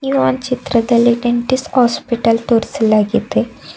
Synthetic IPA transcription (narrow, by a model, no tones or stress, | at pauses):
juʋant͡ɕit̪ɾəd̪aleʈeɳʈishɔspiʈəlt̪oɾselaɡit̪e